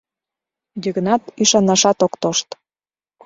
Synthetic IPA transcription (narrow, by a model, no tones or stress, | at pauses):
jəɣə̆nɑt̪iʃɑnɑʃɑt̪okt̪oʃt̪